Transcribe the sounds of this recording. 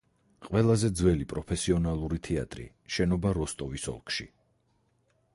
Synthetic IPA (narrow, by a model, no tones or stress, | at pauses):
qʼwɛlˠazɛd̪zwɛlipʼɾɔpʰɛsiɔnalˠuɾit̪ʰɛa̰t̪ʼɾḭ | ʃɛnɔbaɾɔst̪ʼɔvisɔ̰lˠkʼʃḭ